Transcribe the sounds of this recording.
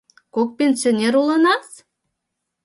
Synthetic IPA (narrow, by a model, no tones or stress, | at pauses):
kok̚pʲenʲsʲionʲeɾulənɑs